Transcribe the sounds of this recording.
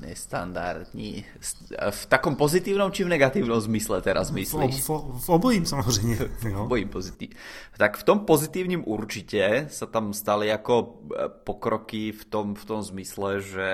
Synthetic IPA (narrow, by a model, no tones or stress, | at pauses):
ɲɛ̰st̪a̰nd̪a̰ɾd̪ɲḭ | s | ft̪akɔmpɔzit̪iːʊnɔmt͡ʃivnɛɡat̪iːʊnɔmzmislɛt̪ɛɾʔa̰zmislvɔbɔjimsamɔzɾɛjmɛɔbɔjimpɔzit̪i | t̪akft̪ɔmpɔzit̪iːʊɲimuɾt͡ʃicɛsat̪amst̪aliakɔpɔkɾɔkift̪ɔmft̪ɔmzmislɛʒɛ